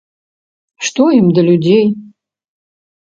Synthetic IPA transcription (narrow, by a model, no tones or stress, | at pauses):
ʂt̪oimd̪ɐlʲudʲej